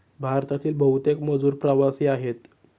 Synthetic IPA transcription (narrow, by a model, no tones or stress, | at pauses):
bʱaɾt̪at̪iːlbʱəɦut̪ekməd͡zuːɾpɾəʋasiːaɦet̪